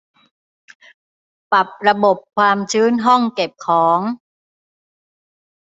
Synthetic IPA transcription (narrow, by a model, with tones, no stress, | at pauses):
pa˨˩p̚ɾa˧bo˨˩p̚kʰwaː˧mt͡ɕʰɯː˦˥˩nɦɔ˥˩ŋke˨˩p̚kʰɔː˩˦ŋ